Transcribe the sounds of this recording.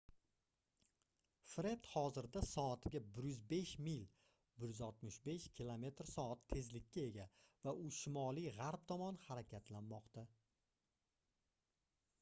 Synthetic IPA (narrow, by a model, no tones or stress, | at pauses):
fɾe̞t̪hɒzɪɾd̪asɒat̪ʰɪɡʲabɪɾjʏzbe̞ʃmil | bɪɾjʏzɒt̪mɪʃbe̞ʃkʲʰilˠome̞t̪ɾsɒat̪ʰːe̞zlɪkʲːae̞ɡʲavaʔʊʃɪmɒlˠijʁaɾp̚t̪ʰɒmɒnhaɾakʲʰat̪ʰlanmɒqt̪a